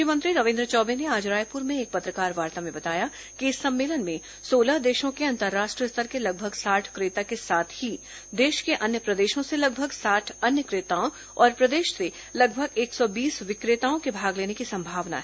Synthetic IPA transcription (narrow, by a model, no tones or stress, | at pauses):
ʃjəmə̃nt̪ɾiɾɐʋɪ̃nd̪ɾət͡ʃɔːbeneaːd͡ʒɾaːjpuɾmẽeːk̚pɐt̪ɾəkaːɾʋaːɾt̪amẽbɐt̪aːja | kiɪsːɐ̃mːeːlənmẽ | soːlad̪eːʃõkeɐ̃nt̪əɾːaːʃʈɾiəst̪əɾkelɐɡ̚bʱəɡsaːʈʰkɾɪːt̪akesaːt̪ʰhi | d̪eːʃkeʔɐnjəpɾɐd̪eːʃõselɐɡ̚bʱəɡsaːʈʰɐnjəkɾɪt̪aːõ | ɔːɾpɾɐd̪eːʃse | lɐɡbʱəɡeːksɔbiːsʋɪkɾɪt̪aːõkebʱaːɡleːnekisɐ̃mbʱaːʋna̰ɦɛ